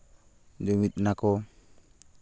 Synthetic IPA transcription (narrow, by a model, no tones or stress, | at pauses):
d͡ʒɔmit̪̚nakɔ